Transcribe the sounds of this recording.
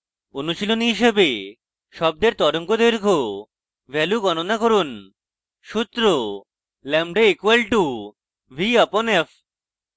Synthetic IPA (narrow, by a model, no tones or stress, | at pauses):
onuʃilonɦiʃebe | ʃɔb̚d̪eɾt̪ɔɾoŋkod̪eɾkʰo | bɛluɡɔnonakoɾun | ʃut̪ːɾo | lɛmɖeekuelʈu | bʱiaponef